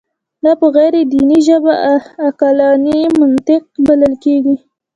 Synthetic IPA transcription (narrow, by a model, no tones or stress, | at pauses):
d̪ɑpəɣajɾed̪iniʒəbaːkɑlɑnimant̪ɪq̚baləlkeɡi